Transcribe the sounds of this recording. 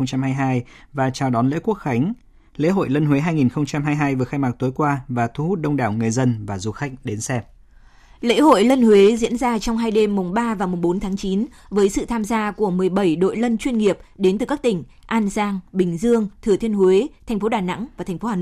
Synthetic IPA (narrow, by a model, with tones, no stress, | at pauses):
wŋ͡mt͡ɕa˧mhaː˧jɦaː˧jvaː˨˩t͡ɕaː˨˩wɗɔ˨˦nlḛ˧˥ku˦˥ək̚xa˨˦jŋ̟ | lḛ˧˥ɦo̰˧˨jlə˧nɦwe˨˦ɦaː˧jŋi˨˩nxə˧wŋ͡mt͡ɕa˧mɦaː˧jɦaː˧jvɨ˨˩əxaː˧jmaː˨˩k̚t̪u˨˦jkwaː˧vaː˨˩t̪ʰu˧˦hu˦˥t̚ɗə˧wŋ͡mɗaː˧˩wŋɨ˨˩əjzə˧nvaː˨˩zu˧xa˦˥k̟̚ɗe˨˦nsɛ˧p̚ | lḛ˧˥ho̰˧˨jlə˧nhwe˨˦zḭ˧˥ənzaː˧t͡ɕɔ˧wŋ͡mɦaː˧jɗe˧mːʊ˨˩ŋ͡mɓaː˧vaː˨˩wmʊ˨˩ŋ͡mɓo˨˦nt̪ʰaː˨˦ŋt͡ɕi˨˦nvəː˨˦jsɨ̰˧˨t̪ʰaː˧mzaː˧ku˧˩əmɨ˨˩əjɓə˧˩jɗo̰˧˨jlə˧nt͡ɕwi˧nŋi˨˩əp̚ɗe˨˦nt̪ɨ˨˩ka˦˥k̚t̪ï˨˩ŋ̟ʔaː˧nzaː˧ŋɓï˨˩ŋ̟zɨ˧əŋt̪ʰɨ˨˩ət̪ʰi˧ənhwe˨˦t̪ʰɛ˨˩ŋ̟fo˨˦ɗaː˨˩na̰˧˥ŋvaː˨˩t̪ʰɛ˨˩ŋ̟fo˨˦haː˨˩no̰˧˨˦